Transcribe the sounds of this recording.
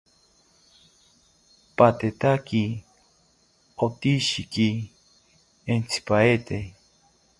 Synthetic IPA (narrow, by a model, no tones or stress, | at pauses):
pat̪et̪aki | ot̪iʃiki | ent͡sʰi̥paet̪e